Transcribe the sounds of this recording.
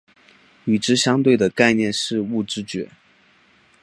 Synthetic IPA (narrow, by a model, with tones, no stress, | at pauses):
y˨˩ʈ͡ʂɻ̩˥ɕjɑ˥ŋt̪we˥˩ɪd̪ə˩ka˥˧ɪnjɛ˥˧nʂɻ̩˥˧u˥˩ʈ͡ʂɻ̩˥t͡ɕɥɛ̰˧˥˦